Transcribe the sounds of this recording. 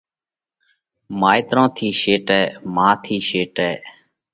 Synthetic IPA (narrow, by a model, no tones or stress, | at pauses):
maːiːt̪ɾõːt̪ʰiːʃeːʈɛːmãːt̪ʰiːʃeːʈɛː